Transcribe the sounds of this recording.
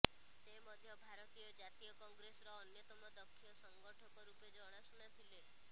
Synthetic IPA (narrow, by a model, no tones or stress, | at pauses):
t̪emɔd̪ʱjɔbʱaɾɔt̪ijɔd͡ʒat̪ijɔkɔŋɡɾesɾɔːnjɔt̪ɔmɔd̪ɔkʰːijɔsɔŋɡɔʈʰɔkɔɾuped͡ʒɔɽ̃asunat̪ʰile